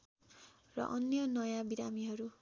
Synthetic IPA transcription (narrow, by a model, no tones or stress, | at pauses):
rʌ̰ʔʌnjʌnʌjabiɾamiɦʌɾu